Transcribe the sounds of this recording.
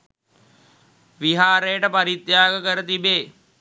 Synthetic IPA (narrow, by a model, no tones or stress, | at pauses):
ʋiɦaːɾeːʈəpɐɾit̪jaːɡəkəɾət̪ibeː